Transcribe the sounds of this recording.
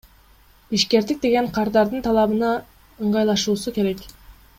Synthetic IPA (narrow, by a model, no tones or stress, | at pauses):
biʃke̞ɾd̪ik̚d̪e̞ɡe̞ɴqʰɑɾd̪ɑɾd̪ɯnt̪ʰɑlˠɑβɯnɑ | ɯɴɢɑjlˠɑʃuːsuke̞ɾek